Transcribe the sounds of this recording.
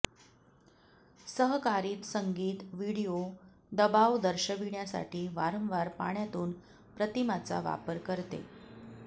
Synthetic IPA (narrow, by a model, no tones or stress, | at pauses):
səɦkaɾiːt̪səŋɡiːt̪ʋiɽijo | d̪əbaʋd̪əɾɕəʋiɳjasa̰ʈiːʋaɾəmʋaɾpa̰ɳjat̪uːn | pɾət̪imat͡sa̰ʋa̰pəɾkəɾt̪ḛ